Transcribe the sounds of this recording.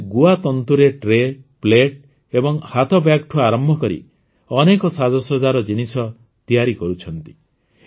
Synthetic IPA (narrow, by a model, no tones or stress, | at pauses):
ɡuat̪ɔnt̪uɾeʈɾepleʈ | ebɔŋhat̪ʰɔbjakʈʰuaɾɔmbʱɔkɔɾḭ | ɔnekɔsad͡ʒɔsɔd͡ʒaɾɔd͡ʒinisɔ | t̪ijaɾikɔɾut͡ʃʰɔnt̪i̥